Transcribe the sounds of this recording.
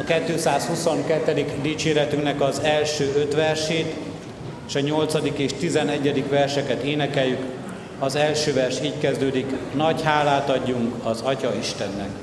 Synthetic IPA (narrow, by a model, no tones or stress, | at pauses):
ɒkɛt̪ːøːsaːshusoŋkɛt̪ːɛd̪iɡd̪iːt͡ʃeːɾɛt̪yŋknɛkɒzɛlʃøːøt̪ʋɛrʃeːt̪ | eːʃɒɲo̞lt̪sɒd̪ikeːʃt̪izɛnɛɟːɛd̪ikʋɛrʃɛkɛt̪eːnɛkɛljːyk | ɒzɛlʃøːvɛrʃiːckɛzd̪øːd̪iknɒcɦaːlaːt̪ɒɟːuŋkɒzɒcɒiʃt̪ɛnːɛk